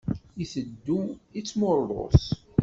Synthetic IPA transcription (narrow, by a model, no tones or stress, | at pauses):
iθəd̪ːuit͡sːmʊɾˤːo̰s